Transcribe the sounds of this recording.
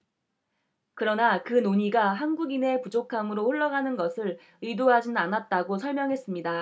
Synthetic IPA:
kɯɾʌnakɯnoɲiɡaɦanɡuɡine̞pud͡ʑokʰamɯɾoɸoɭːʌɡanɯnɡʌsʰɯɾ | ɯidoɦad͡ʑinnanat̚t͈aɡosʰʌɭmjʌŋɦe̞s͈ɯmɲida

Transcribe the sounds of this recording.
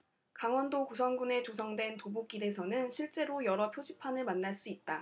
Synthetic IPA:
kaŋwʌndokosʰʌŋɡune̞t͡ɕosʰʌŋdwe̞ntobok͈iɾe̞sʰʌnɯnɕʰiɭt͡ɕ͈e̞ɾojʌɾʌpʰjod͡ʑipʰanɯɭmanːaɭs͈uit̚t͈a

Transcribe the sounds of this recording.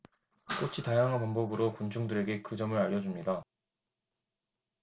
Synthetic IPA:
k͈ot͡ɕʰitajaŋɦanpanbʌbɯɾokunt͡ɕʰuŋdɯɾe̞ɡe̞kɯd͡ʑʌmɯɾaʎːʌd͡ʑumɲida

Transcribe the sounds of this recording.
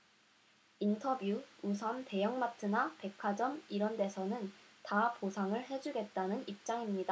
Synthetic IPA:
intʰʌbjuusʰʌnte̞jʌŋmatʰɯnape̞kʰad͡ʑʌmiɾʌnde̞sʰʌnɯntaposʰaŋɯɭɦe̞d͡ʑuɡe̞t̚t͈anɯnip̚t͡ɕ͈aŋimɲida

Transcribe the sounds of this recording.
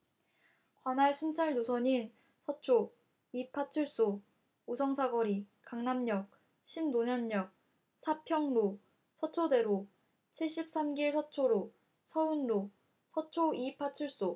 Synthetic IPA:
kwanaɭsʰunt͡ɕʰaɭdosʰʌɲin | sʰʌt͡ɕʰo | ipʰat͡ɕʰuɭs͈o | usʰʌŋsʰaɡʌɾikaŋnamɲʌk̚ | ɕʰindoɲʌɲːʌk̚ | sʰapʰjʌŋɾo | sʰʌt͡ɕʰode̞ɾo | t͡ɕʰiɭɕ͈ip̚s͈amɡiɭsʰʌt͡ɕʰoɾo | sʰʌunɾo | sʰʌt͡ɕʰoipʰat͡ɕʰuɭs͈o

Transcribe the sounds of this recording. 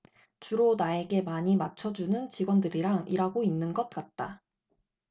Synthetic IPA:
t͡ɕuɾonae̞ɡe̞maɲimat͡ɕʰʌd͡ʑunɯnt͡ɕiɡwʌndɯɾiɾaŋiɾaɡoinːɯnɡʌt̚k͈at̚t͈a

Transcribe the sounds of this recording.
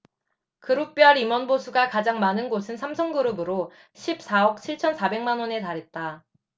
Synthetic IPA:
kɯɾuk̚p͈iɦaɾimʌnbosʰuɡakad͡ʑaŋmanɯnɡosʰɯnsʰamsʰʌŋɡɯɾɯbɯɾo | ɕʰip̚s͈aʌk̚t͡ɕʰiɭt͡ɕʰʌnsʰabe̞ŋmanwʌne̞taɾe̞t̚t͈a

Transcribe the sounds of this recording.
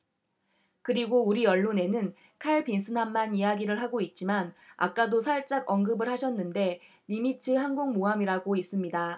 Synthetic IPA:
kɯɾiɡouɾiʌɭːone̞nɯn | kʰaɭpinsʰɯnamːanijaɡiɾɯɭɦaɡoit̚t͡ɕ͈imana̰k͈adosʰaɭt͡ɕ͈aɡʌŋɡɯbɯɭɦhaɕʰʌnːɯnde̞ | nimitʰɯɦaŋɡoŋmoɦamiɾaɡois͈ɯmɲida

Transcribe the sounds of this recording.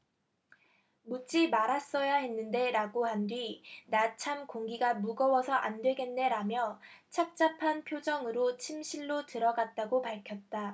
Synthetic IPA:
mut͡ɕ͈ʰimaɾas͈ʌjaɦe̞nːɯnde̞ɾaɡohandwinat͡ɕʰamkoŋɡiɡamuɡʌwʌsʰʌʔandwe̞ɡe̞nːe̞ɾamjʌt͡ɕʰak̚t͡ɕ͈apʰanpʰjod͡ʑʌŋɯɾot͡ɕʰimɕʰiɭːotɯɾʌɡat̚t͈aɡopaɭkʰjʌt̚t͈a

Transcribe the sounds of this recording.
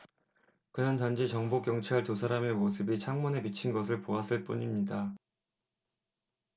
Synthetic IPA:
kɯnʌntand͡ʑit͡ɕʌŋbok͈jʌŋt͡ɕʰaɭtus̬ʰaɾame̞mosʰɯbit͡ɕʰaŋmune̞mit͡ɕʰinɡʌs̬ʰɯɭpoas͈ɯɭp͈uɲimɲida

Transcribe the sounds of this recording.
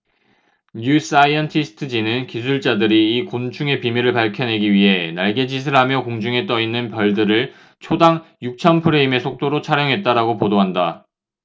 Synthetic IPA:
ɲus͈aiʌntʰisʰɯ̥tʰɯd͡ʑinɯnkis̬ʰuɭt͡ɕ͈adɯɾiːkont͡ɕʰuŋe̞pimjiɾɯɭpaɭkʰjʌnɦe̞ɡiɥiɦe̞naɭɡe̞d͡ʑis̬ʰɯɭɦamjʌkoŋd͡ʑuŋe̞t͈ʌinːɯnpjʌɭdɯɾɯɭ | t͡ɕʰodaŋ | juk̚t͡ɕʰʌnpʰɯɾeime̞sʰok̚t͈oɾot͡ɕʰaɾjʌŋɦe̞t̚t͈aɾaɡopodoɦanda

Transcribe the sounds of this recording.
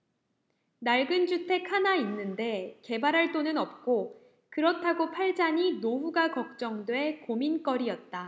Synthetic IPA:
naɭɡɯnd͡ʑutʰe̞kʰanainːɯnde̞ke̞baɾɦaɭt͈onɯnʌp̚k͈o | kɯɾʌtʰaɡopʰaɭd͡ʑaɲinoɸuɡakʌk̚t͡ɕ͈ʌŋdwe̞komink͈ʌɾiʌt̚t͈a

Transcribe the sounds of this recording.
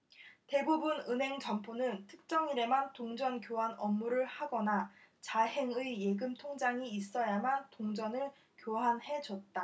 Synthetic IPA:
te̞bubunɯnɦe̞ŋd͡ʑʌmpʰonɯntʰɯk̚t͡ɕ͈ʌŋiɾemantoŋd͡ʑʌnkjoɦanʌmːuɾɯɭhaɡʌnat͡ɕaɦe̞ŋɯije̞ɡɯmtʰoŋd͡ʑaŋiːs͈ʌjamantoŋd͡ʑʌnɯɭ | kjoɦanhe̞d͡ʑʌt̚t͈a

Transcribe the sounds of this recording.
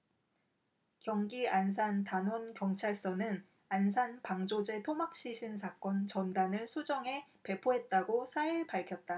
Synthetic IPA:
kjʌŋɡians̬ʰantanwonkjʌŋt͡ɕʰaɭs͈ʌnɯn | ansʰanpaŋd͡ʑod͡ʑe̞tʰomak̚ɕ͈iɕʰinsʰak͈ʌnt͡ɕʌndanɯɭsʰud͡ʑʌŋɦe̞pe̞pʰoɦe̞t̚t͈aɡosʰaiɭpaɭkʰjʌt̚t͈a

